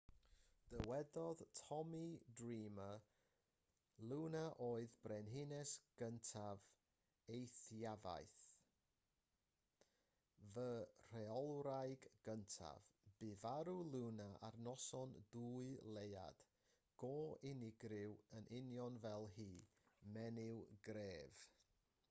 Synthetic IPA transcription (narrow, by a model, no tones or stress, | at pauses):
d̥əwɛdɔðtʰɔmidriːmə | lˠunaʔoːɨðbrɛnɦɪnɛsɡ̥əntʰav | ejθjava̰jθ | vər̥ɛɔlˠɾajɡːəntʰa̰vb̥ɪvaɾulˠuwnaa̰rnɔsɔnduːɨlˠeja̰d̥ | ɡ̥oːɪnɪɡrɪwənʔɪnjɔnvɛlˠɦiː | mɛnɪwɡɾeːv̥